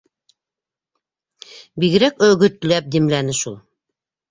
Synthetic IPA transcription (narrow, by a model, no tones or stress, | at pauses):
biɣɘ̆ɾækɵ̆ɡɵ̆t̪læp̚d̪imlænɘʃulˠ